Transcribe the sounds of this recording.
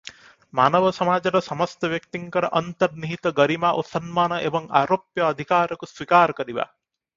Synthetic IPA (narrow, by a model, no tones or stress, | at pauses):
ma̰ːnɐʋɐsɐmaːd͡ʒɐɾɐsɐmɐst̪ɐʋjɐk̚t̪iŋkɐɾɐʔɐnt̪ɐɾniɦit̪ɐɡɐɾimaːʔosɐnmaːnɐʔeʋɐŋa̰ːɾoːpjɐːd̪ʱikaːɾɐkuswikaːɾɐkɐɾiʋa̰